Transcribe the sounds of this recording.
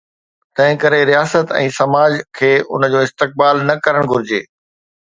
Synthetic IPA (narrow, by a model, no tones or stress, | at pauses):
t̪ɐ̃ɦɪ̃kɐɾeɾijaːsət̪ɛ̰̃ːsɐmaːd͡ʑkʰeːʔʊ̰nəd͡ʑoːɪst̪ɪk̚baːlnɐkɐɾəɽ̃ɡʱʊɾɪd͡ʑeː